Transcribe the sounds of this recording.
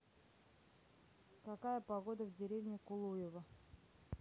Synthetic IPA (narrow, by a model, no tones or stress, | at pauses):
kɐkajəpɐɡod̪əvdʲɪɾʲevnʲɪkʊlˠujɪvə